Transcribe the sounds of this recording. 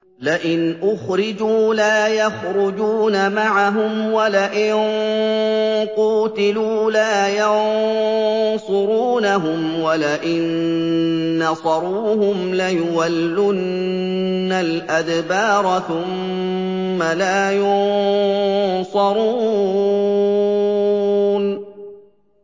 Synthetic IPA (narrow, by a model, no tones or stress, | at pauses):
lɪʔɪnʔʊxɾɪd͡ʒuːlaːjaxɾʊd͡ʒuːnamaʕaɦʊmwalaʔɪn | quːt̪ɪluːlaːjɑn | sˤʊɾuːnaɦʊmwalaʔɪnː | ɑsˤɑɾˤuːɦʊmlajʊwalːʊnː | alʔad̪bɑːɾˤɑθʊmː | alaːjʊnn | sˤɑɾˤuː | n